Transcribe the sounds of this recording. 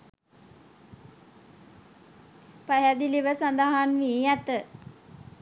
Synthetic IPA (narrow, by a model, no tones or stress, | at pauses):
paɦæd̪iliʋəsand̪aɦanʋiːjæt̪ə